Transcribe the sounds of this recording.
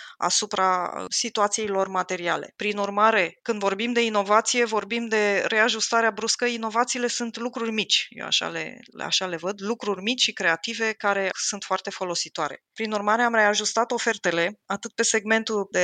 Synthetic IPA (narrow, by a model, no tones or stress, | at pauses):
a̰supɾasit̪uat̪sije̞jlo̞rmat̪e̞ɾiale̞̰pɾinurmaɾe̞kɨnd̪vo̞rbimd̪e̞ino̞vat̪sije̞vo̞rbimd̪e̞ɾe̞aʒust̪aɾeabɾuskəino̞vat̪siːle̞sunt̪lukɾurʲmit͡ʃʲjḛwa̰ʃa̰lḛa̰ʃale̞vəd̪lukɾurʲmit͡ʃʲʃikɾe̞at̪ive̞kaɾe̞sunt̪foart̪e̞fo̞lo̞sit̪oaɾe̞̰pɾinurmaɾe̞amɾe̞aʒust̪at̪o̞fert̪e̞le̞at̪ɨt̪̚pe̞se̞ɡme̞nt̪uld̪e